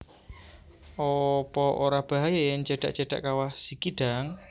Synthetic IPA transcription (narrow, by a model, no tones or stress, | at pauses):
ʔɔpɔʔoɾab̥a̤ɦajajŋt͡ʃaɖ̥a̰ʔt͡ʃaɖ̥a̰ʔkawahsikiɖ̥a̤ŋ